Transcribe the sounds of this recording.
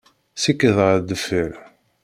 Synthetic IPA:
sikːəðʁəd̪əfəɾ

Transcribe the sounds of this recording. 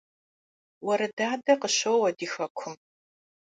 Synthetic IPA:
wɐɾɐdaːdɐqəɕɐwwɐdiːxɐkʷʰʊm

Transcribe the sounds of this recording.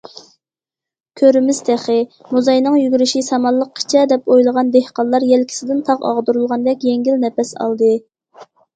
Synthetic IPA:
kʲʰøɾmɪz̥t̪ʰæχɪmuzɑjnɨŋjyɡʲyɾɪʃisɑmɑlˠəqʰːi̥t͡ʃʰɛd̪ɛpojlˠəʁɑnd̪ehqɑnllˠɑɾjɛlkʲʰi̥sɪd̪ɪnt̪ʰɑʁɑ̰ʁd̪uɾulˠʁɑnd̪ɛkʲjɛŋɡʲilnɛpɛsɑ̰lˠd̪ɨ

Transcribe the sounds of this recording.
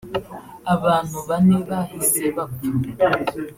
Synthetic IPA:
aβaːn̥uβaneβahizeβaku

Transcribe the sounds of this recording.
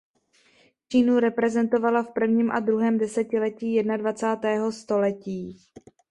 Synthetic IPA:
t͡ʃiːnuɾɛpɾɛzɛnt̪o̞valafpr̩vɲiːmʔad̪ɾuɦɛːmdɛsɛcɪlɛciːjɛdnadvat͡saːt̪ɛːɦo̞st̪o̞lɛciː

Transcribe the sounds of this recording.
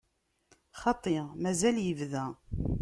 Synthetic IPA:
χɑt̪ˤːeʁmæzæljəvðæ

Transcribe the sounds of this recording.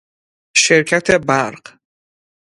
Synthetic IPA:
ʃɛɾkʰat̪ʰɛbaɾq

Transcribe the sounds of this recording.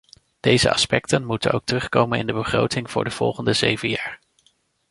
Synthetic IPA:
d̥ejzə̰ɑ̰spɛk̚tənmutənowk̚tərɵχkowmənɪ̰ndəbəχro̰wtɪŋv̥ʊːɹdəv̥ɔ̰lˠχəndəzejvənjaːɹ

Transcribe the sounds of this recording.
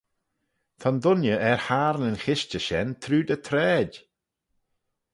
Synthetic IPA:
t̪ʰɔnd̪ʊnjəʔɛɹhaːɾnənxɪʃt͡ʃəʃɛnt̪ʰɾuːd̪ət̪ʰɾɛːd

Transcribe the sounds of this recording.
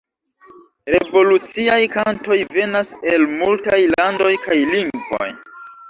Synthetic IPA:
ɾevo̞lut͡siajkanto̞jve̞nase̞lmultajlando̞jkajliŋɡvo̰j

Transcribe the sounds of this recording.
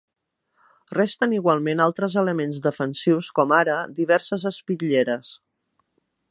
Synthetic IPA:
rɛst̪əniɣwalˠmenalˠt̪ɾəzələmenzðəfənsiwskɔmaɾəd̪iβ̞ɛɾsəzəspiʎeɾəs

